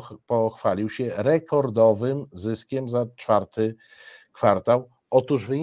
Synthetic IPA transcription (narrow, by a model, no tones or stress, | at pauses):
pɔxfalʲiwɕɛɾɛkʰɔɾd̪ɔvɘmzɘskʲɛmzat͡ʂfaɾt̪ɘ | kfaɾt̪aw | ʔɔt̪uʐvɘɲ